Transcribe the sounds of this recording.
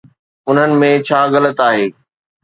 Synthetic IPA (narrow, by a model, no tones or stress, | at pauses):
ʊn̤ənɪ̆mẽt͡ɕʰaːɣɐlət̪aːɦeː